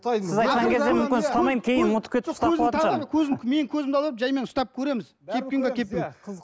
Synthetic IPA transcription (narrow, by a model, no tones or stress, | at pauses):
sɪzɑjt̪qɑŋkʲʰe̞zd̪emʏmʲɪnst̪ɑmɑjmkʲʰe̞jɪnmʊt̪ə̥pkʲʰeɪst̪ɑzlˠɑt̪ʃkʲʰɵzɪmme̞kʲʰɵzɪmd̪ɑlˠəɾəpʒɑjme̞nʊst̪ɑp̚kʲʰɵɾe̞mɪz̥ | kʲʰe̞p̚kʲeŋɡʲekʲʰe̞p̚ːɪn